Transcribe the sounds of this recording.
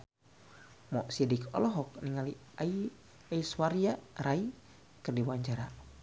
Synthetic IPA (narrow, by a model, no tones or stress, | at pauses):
mɔʔsidikʰɔ̰lɔɦɔk̚niŋali | ai | aiswaɾiarai | kɨrdiwaɲd͡ʒaɾa